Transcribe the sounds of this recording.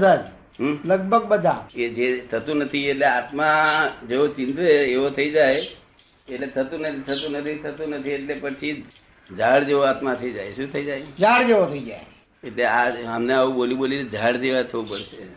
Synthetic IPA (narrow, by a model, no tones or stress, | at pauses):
d̪ʱad͡ʒ | ɦləɡ̚bʱəɡ̚bəd̪ʱaed͡ʒet̪ʰət̪ũnət̪ʰieʈleat̪mad͡ʒeot͡ʃɪ̃nt̪eːʋot̪ʰəid͡ʒaj | eʈlet̪ʰət̪ũnət̪it̪ʰət̪ũnət̪ʰit̪ʰət̪ũnət̪ʰieʈlepət͡ʃʰi | d͡ʒaɽd͡ʒeoat̪mat̪ʰəid͡ʒajʃũt̪ʰəid͡ʒajd͡ʒaɽd͡ʒeʋot̪ʰəid͡ʒa̰e | eʈleaəmneaʋũɓolĩɓolied͡ʒaɽd͡ʒeʋat̪ʰəʋupəɽʃe